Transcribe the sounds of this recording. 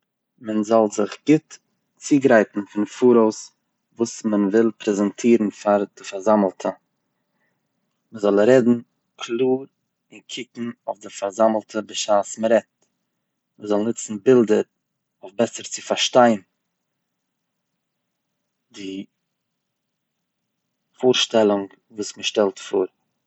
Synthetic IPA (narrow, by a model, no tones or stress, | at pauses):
mənzɔlˠzɪχɡ̥ɪt | t͡siːɡɾaɪtn̩fɪnfuːɾoʊs | vuːsmənvɪlˠpʰɾɛzɛntʰiːɾn̩faɾd̥ɪfaɾzaml̩ˠtʰə | məzɔlˠɾɛdn̩ | kʰlˠuːɾ | ɪnkʰɪkŋ̩ʊfdɪfaɾzaml̩ˠtʰəbɪʃaːsməɾɛt̚ | məzɔlˠnʊt͡sn̩bɪlˠdəɾ | ʊfbɛsəɾt͡sɪfaɾʃtaɪn | dɪ | fuːɾʃtɛlˠʊŋ | vuːsməʃtɛlˠtfuːɾ